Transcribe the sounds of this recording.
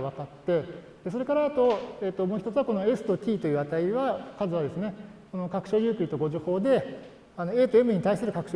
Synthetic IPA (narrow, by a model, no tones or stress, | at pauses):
βakat̪ːɯ | d̪e̞soɾe̞kaɾaːt̪o̞et̪ːomoːçi̥t̪o̞t͡sɨɯβako̞no̞e̞sɨ̥t̪o̞t̪ʲiːt̪o̞jɯ̟ːβat̪aiβakazɨβad̪e̞sɨne̞ko̞no̞kakɯ̟ɕo̞ːjʲɯ̟ːkɯ̟it̪o̞ɡo̞ʑoho̞ːd̪e̞ | ano̞e̞ːt̪oemɯ̟ɲ̟it̪aisɨɾɯ̟kakɯ̟̥ɕo